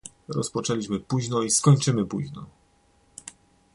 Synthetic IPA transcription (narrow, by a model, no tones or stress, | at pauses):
ɾɔspɔt͡ʂɛlʲiɕmɘpuʑnɔiskɔɲt͡ʂɘmɘpuʑnɔ̰